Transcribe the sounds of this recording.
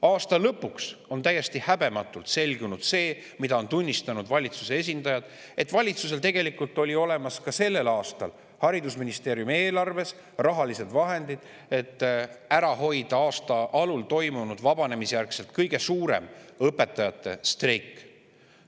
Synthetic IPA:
ɑːst̪ɑlɤpːˑukso̞nt̪æjːe̞st̪ihæbe̞mɑt̪ːˑult̪se̞lʲɡunud̪̥se̞ː | mid̪ɑo̞nt̪unʲːist̪ɑnud̪̥vɑlʲit̪su̥se̞e̞s̬ʲind̪̥ɑjɑd̪̥ | e̞t̪ːˑvɑlʲit̪sus̬e̞lt̪e̞ɡe̞likult̪ːˑo̞lʲio̞le̞mɑskɑse̞lːe̞lɑːst̪ɑ̰l | hɑɾid̪usminist̪e̞ːɾjumie̞ːlɑrve̞s | rɑɦɑlise̞d̪̥vɑɦe̞nd̪̥id̪̥ | e̞t̪ːˑæɾɑɦo̞jd̪̥ɑɑːst̪ɑʔɑlult̪o̞jmunud̪vɑbɑne̞misejærkse̞lt̪̚kɤjɡe̞suːɾe̞̰mɤpːˑe̞t̪ːˑɑjɑt̪ˑːe̞̰st̪rejkːˑ

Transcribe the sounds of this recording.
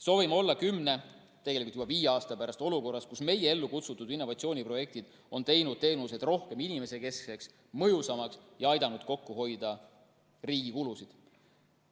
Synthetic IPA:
so̞ːvimo̞lːɑkymne̞ | t̪eɡe̞likult̪jub̥ɑviːjeɑːst̪ɑpæɾɑst̪o̞luko̞rːɑskusme̞jee̞lːukut̪sut̪ːud̪inːo̞vɑt̪sioːnʲipro̞je̞k̚t̪id̪̥ | o̞nt̪e̞jnud̪̥̚t̪e̞ːnuse̞d̪̥ro̞hke̞minime̞se̞ke̞skse̞ks | mɤjusɑmɑksjɑɑjd̪̥ɑnud̪̥ko̞kːuɦo̞jd̪ɑ | riːɡ̥ikulusid̪̥

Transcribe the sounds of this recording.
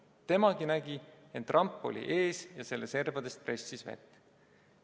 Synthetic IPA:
t̪e̞mɑɡ̥inæɡ̥ie̞nt̪ːˑrʔɑmpːˑo̞̰lḭʔe̞ːsjɑse̞lːese̞rvɑd̪̥est̪̚pre̞sʲːisvḛt̪ːˑ

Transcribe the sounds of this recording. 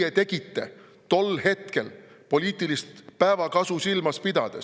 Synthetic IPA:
et̪e̞ɡ̥it̪ːe̞̰ | t̪o̞lːhe̞t̪ke̞l | po̞lʲiːt̪ːˑilist̪pæevɑkɑsusilmɑspid̪̥ɑd̪̥es

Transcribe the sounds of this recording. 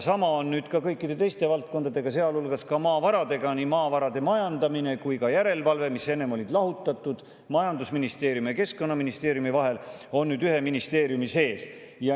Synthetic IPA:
sɑmɑonːyːd̪̥kɑkɤjkːˑid̪̥e̞t̪e̞jst̪e̞vɑlt̪̚ko̞nd̪ɑd̪e̞ɡ̥ɑse̞ɑlulɡ̥ɑskɑmɑːvɑɾɑd̪e̞ɡ̥ɑnimɑːvɑɾɑd̪̥e̞mɑjɑnd̪ɑmine̞kujkɑjæɾe̞lvɑlve̞misːe̞nːe̞mo̞lʲid̪lɑɦut̪ːˑɑt̪ːˑud̪̥ | mɑjɑnd̪usminist̪e̞ːɾjumeke̞skko̞nːɑminist̪e̞ːɾjumivɑɦe̞lo̞nːyːd̪yhe̞minist̪e̞ːɾjumise̞ːs | jɑ

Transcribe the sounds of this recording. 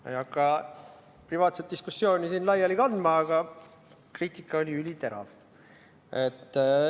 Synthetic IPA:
jɑkːˑɑ | privɑːt̪set̪d̪̥iskusːjo̞ːnʲisiːnlɑjɑlikɑnd̪mɑːɡ̥ɑ | kriːt̪ˑikːˑɑolʲiylʲit̪e̞ɾɑ̰v | et̪ː

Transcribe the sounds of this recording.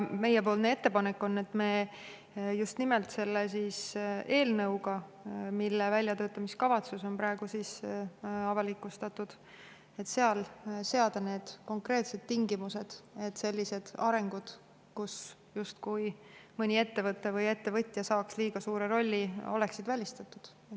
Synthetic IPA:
me̞jepo̞ːlnee̞t̪ːe̞pɑnekːˑo̞nːe̞t̪ːmeː | just̪nimɛlt̪se̞lːesiːse̞ːlnɤwɡɑmilːevælʲjɑt̪ø̞ːt̪ːˑɑmiskɑvɑt̪suso̞npɾɑe̞ɡ̥usis | ɑvɑlikːˑust̪ɑt̪ːud̪̥ | e̞t̪ːse̞ɑlse̞ɑd̪̥ɑne̞ːd̪̥ko̞ŋkre̞ːt̪se̞d̪̥t̪iŋɡimuse̞d̪̥e̞t̪ːˑse̞lʲːise̞d̪̥ɑɾe̞ŋɡ̥ud̪̥ | kus | just̪kujmɤnʲie̞t̪ːe̞vɤt̪ːevɤje̞t̪ːe̞vɤt̪ʲːˑjɑsɑːksliːɡ̥ɑsuːɾeɾo̞lʲːio̞̰le̞ksid̪vælʲist̪ɑt̪ːˑud̪̥

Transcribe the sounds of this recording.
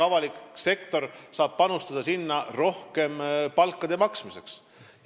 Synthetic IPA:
ɑvɑlikse̞kt̪o̞rsɑːb̥̚pɑnust̪ɑd̪̥ɑsinːɑro̞hke̞mpɑlkːˑɑd̪̥e̞mɑksmise̞̰ks

